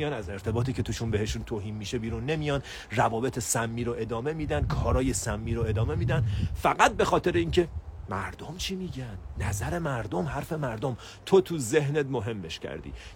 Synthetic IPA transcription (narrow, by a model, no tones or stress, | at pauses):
ijɒːnæze̞ɾt̪ʰe̞bɒːt̪ʰiːcʰe̞t̪uʃunbe̞he̞ʃunt̪ʰoɦiːmːiʃe̞biːɾunːe̞mijɒːn | rævɒːbe̞t̪ʰe̞sæmːiːɾoʔe̞d̪ɒːme̞miːd̪ænkʰɒːɾɒːje̞sæmːiːɾoe̞d̪ɒːme̞miːd̪ænfæɣæt̪̚be̞xɒːt̪ʰe̞ɾeiːncʰe̞mæɾd̪omt͡ʃʰimiɟænːæzæɾe̞mæɾd̪omhæɾfe̞mæɾd̪om | t̪ʰot̪ʰuzeɦnet̪moɦe̞mːe̞ʃcʰæ̰ɾd̪ḭː